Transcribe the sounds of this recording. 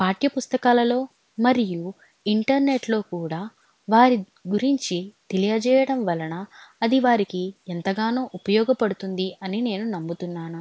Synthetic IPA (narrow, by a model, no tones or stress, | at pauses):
paːʈjɐpust̪ɐkaːlɐlo̞ː | mɐɾiju | iɳʈɐɾne̞ʈlo̞ːkuːɽaː | ʋaːɾi | ɡuɾiɲt͡ʃit̪elijɐd͡ʒɛːjɐɽɐmʋɐlɐnɐɐd̪iʋaːɾikiɛnt̪ɐɡaːnuːʔupɐjɔːɡɐpɐɽut̪und̪iɐnine̞ːnunɐmːut̪unːaːnu